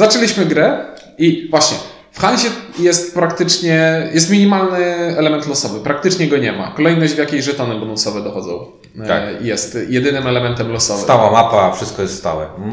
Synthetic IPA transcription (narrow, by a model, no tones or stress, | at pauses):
zat͡ʂɛlʲiɕmɘɡɾɛ | ivwaɕɲɛ | fxanʑɛjɛst̪̚pɾakt̪ɘt͡ʂɲɛjɛst̪mʲiɲimalnɘɛlɛmɛnt̪lɔsɔvɘpɾakt̪ɘt͡ʂɲɛɡɔɲɛma̰kɔlɛjnɔʑd͡ʑvjakʲejʐɛt̪ɔnɛbɔnɔ̃wsɔvɛd̪ɔxɔd̪zɔ̰̃w̃ | a̰jɛst̪jɛd̪ɘnɘmɛlɛmɛnt̪ɛmlɔsɔvsɨt̪awamapafʂɘst̪̚kɔjɛst̪st̪a̰wɛ̰